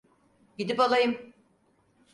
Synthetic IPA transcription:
ɟid̪ipalˠajɯm

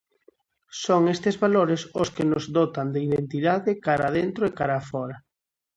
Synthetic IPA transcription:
soŋest̪ezβaloɾesoskɪnozðot̪and̪eiðent̪iðaðɪkaɾaðent̪ɾoekaɾaːfɔɾa

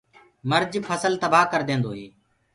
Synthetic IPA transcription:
məɾd͡ʒpʰəsəlt̪əbaːkəɾd̪ẽːnd̪oːɦeː

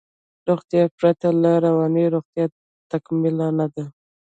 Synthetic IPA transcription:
ɾoɣt̪japɾat̪alaɾawanəɾoɣt̪ja | t̪akmɪlanad̪a

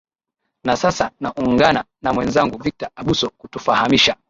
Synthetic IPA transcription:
nasasanaʔuŋɡana | namwɛnzaŋɡuvik̚taaɓusɔkutufahamiʃa

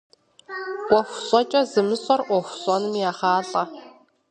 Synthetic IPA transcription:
wʷɔxʷɕʼɔt͡ʃʼɐzɨmɨsʼɔrʔʷɔxʷɕʼɔnɨmjaːχaːɮʼɐ

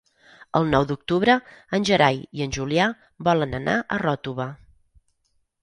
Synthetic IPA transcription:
ə̰lˠnɔwd̪uk̚t̪uβɾəənʲʒəɾajiənʲʒulia | βɔlənəna̰ʔərɔt̪uβə

